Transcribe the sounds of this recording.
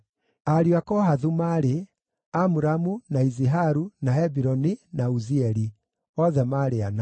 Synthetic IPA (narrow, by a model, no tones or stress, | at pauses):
aɾiwakɔɦaðumaɾe | amuɾamunaiziɦaɾunahɛbiɾɔninauziɛɾi | ɔðɛmaɾeana